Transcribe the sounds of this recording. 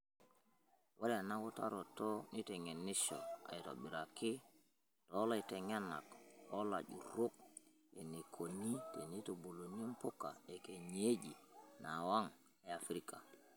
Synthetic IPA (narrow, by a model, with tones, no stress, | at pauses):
wa˦le˨na˦ku˦ta̰˦ɾo˨to˦ni˦te˨ŋe˨nːi˦ʃo̰˨a̰˨i˨to̰˨bi˨ɾa˨kːi˦ | to˦la˦i˨te˨ŋe˦na̰˨ko˦la̰˨ɟṵ˨ɾu˦k̚ | e˨ni˨kʰo˨ni˦te˨ni˦to˨bu˨lo˨ni˦m˦pu˦kːa˨e˨ke˨ɲe˦d͡ʒi˨na˨wa˦ŋ | e˨a˨fɾi˦ka˨